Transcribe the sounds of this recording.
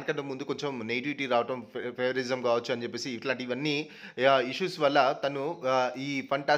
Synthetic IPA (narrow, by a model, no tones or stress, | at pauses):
nɐkɐɳʈːɐmund̪uko̞ɲt͡ʃemnejʈiʋiʈiɾaːʋɐʈɐmpeʋɐɾzɐmkaːʋɐt͡ʃːuɐnid͡ʒepːeːsiːʈlaːɳʈiʋɐnːi | iʂuːsʋɐlːɐt̪ɐnuiːpʰɐɳʈaː